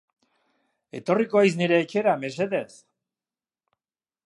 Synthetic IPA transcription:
e̞̰t̪o̞rikoajsniɾe̞ːt͡ʃe̞ɾame̞s̬e̞ðe̞s

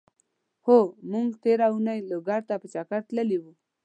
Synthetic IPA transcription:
homuŋɡt̪eɾaunajloɡaɾt̪apət͡ʃakaɾt̪ləliwu

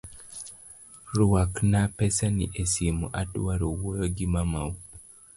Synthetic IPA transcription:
ɾuwaknapɛsanḭʔesimo̰ʔatwaɾowojoɡimamau

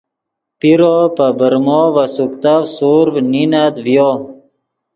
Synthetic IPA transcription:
piɾopəbəɾmɔvəsukt̪avsuɾvninad̪vjo

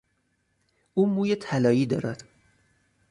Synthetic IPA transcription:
ʔuːmuːjet̪ʰælɒːiːd̪ɒ̰ːɾæd̪̥

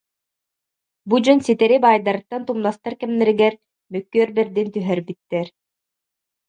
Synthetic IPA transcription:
bud͡ʑɔnsit̪ɛɾibaːjd̪aɾɯt̪ːant̪umnast̪aɾkɛmnɛɾiɡɛɾ | mœkːyœɾbɛɾd̪int̪yɦɛɾbit̪ːɛɾ

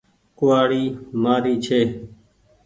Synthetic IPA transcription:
kʊʋaːɽiːmaːɾiːt͡ʃʰeː

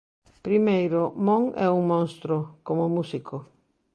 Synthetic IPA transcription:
pɾimejɾomõŋɛ̰uŋmõnst̪ɾokomomusikʰo

